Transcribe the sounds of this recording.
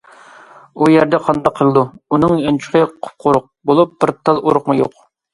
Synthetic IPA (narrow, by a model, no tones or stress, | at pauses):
ujɛɾd̪ɛqʰɑnd̪ɑqʰːəlˠɨd̪uunɨŋjɑnt͡ʃʰə̥qəqʰʊ̥p̚qʰʊɾʊq̚bolˠup̚b̥ɪɾt̪ʰɑlˠoɾʊqmujo̰q